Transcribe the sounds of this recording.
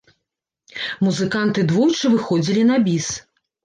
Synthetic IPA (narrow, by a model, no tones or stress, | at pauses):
muzɨkant̪ɨd̪vujt͡ʂɨvɨxɔd͡zʲilʲinabʲis